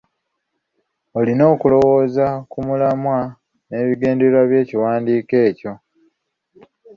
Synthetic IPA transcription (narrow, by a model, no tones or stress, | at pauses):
olino̞ːkulo̞wo̞ːzakumulamwa | ne̞ːβiɡe̞ːndeɾwaβje̞ːciwaːndiːke̞ːco̞